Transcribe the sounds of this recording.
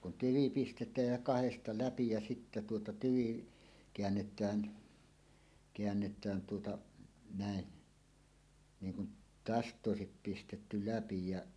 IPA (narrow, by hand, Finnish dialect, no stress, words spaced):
kun tyʋi pistetˑæːj jæ kɑhestɑ læpi jɑ sitːæ tuotɑ tyʋi keænːetˑæːn keænːetˑæːn tuotɑ næˑe niːŋ kun tæstˑ oˑesip pistetːy læpi jæʔ